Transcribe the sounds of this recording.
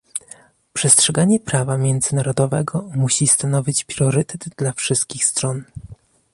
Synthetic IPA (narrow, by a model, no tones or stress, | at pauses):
pʂɛstʂɛɡaɲɛpɾavamʲjɛnd̪zɘnaɾɔd̪ɔvɛɡɔmuɕist̪anɔvʲit͡ɕpɾʲjɔɾɘt̪ɛd̪d̪lafʂɘst̪̚kʲixst̪ɾɔn